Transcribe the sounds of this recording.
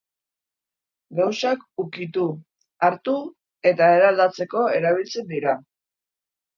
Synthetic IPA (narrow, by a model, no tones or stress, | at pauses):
ɡawsakukit̪u | aɾt̪u | e̞t̪ae̞ɾald̪at͡se̞ko̞e̞ɾaβ̞ilt͡se̞nd̪iɾa